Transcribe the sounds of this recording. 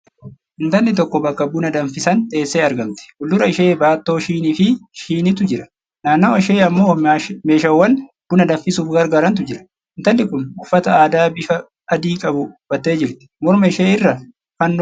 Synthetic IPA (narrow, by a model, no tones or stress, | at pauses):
ʔɪnt̪ɐnːɪt̪ɔkːɔbɐkːɐbʊnɐd̪ɐɱfɪsɐnt̪ʼe̞ːsːeːɐɾɡɐmt̪ɛ̥ɡʊlːʊɾɐɪʃe̞ːbaːt̪ːo̞ːʃiːniːfɪʃiːnɪt̪ʊd͡ʒɪɾɐ̥ | naːnːoːɪʃe̞ːɐmːo̞ːme̞ːʃɐwːɐn | b̥ʊnɐd̪ɐɱfɪsuːfɡɐɾɡaːɾɐnt̪ʊd͡ʒɪɾɐ̥ | ɪnt̪ɐlːɪkʊnʊfːɐt̪ɐaːd̪aːbɪfɐː | d̪iːkʼɐbʊb̥ɐt̪ːe̞ːd͡ʒɪɾt̪ɪ̥mɔɾmɐɪʃeːɪrːɐ | fɐnː